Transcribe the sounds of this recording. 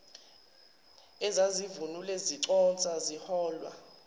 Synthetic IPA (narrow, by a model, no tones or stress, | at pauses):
ɛzazivunulɛziǀɔnt͡sʼazihɔːlwa̰